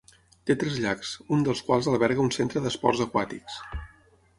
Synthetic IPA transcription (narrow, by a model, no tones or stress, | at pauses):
t̪et̪ɾɛzʎaksund̪əlˠskwalˠzəlˠβɛɾɣəunsent̪ɾəðəspɔ̰rzəkwat̪iks